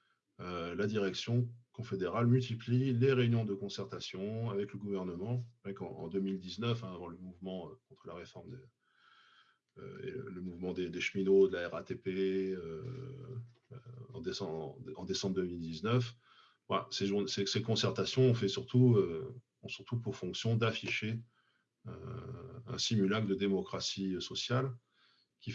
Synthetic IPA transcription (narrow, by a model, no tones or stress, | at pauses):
ølad̪iʁɛksjɔ̃kɔ̃fed̪eʁalmylt̪iplileʁeynjɔ̃d̪əkɔ̃sɛʁt̪asjɔ̃avɛkləɡuvɛʁnəmɑ̃ʁɛkɑ̰̃ɑ̰̃d̪ømild̪iznœfɛ̃avɑ̃ləmuvmɑ̃økɔ̃t̪χəlaʁefɔʁmd̪e | ø̰ḛlə̰ləmuvmɑ̃d̪ed̪eʃminod̪əlaɛʁat̪epeø | ɑ̰̃d̪esɑ̃ɑ̃d̪esɑ̃bʁd̪ømild̪iznœf | a̰seʒuʁnsɛsekɔ̃sɛʁt̪asjɔ̃ɔ̃fɛsyʁt̪uø | ɔ̃syʁt̪upuʁfɔ̃ksjɔ̃d̪afiʃe | ø̰ | ɛ̰̃simylakd̪əd̪emɔkχasiøsɔsjal | kʲi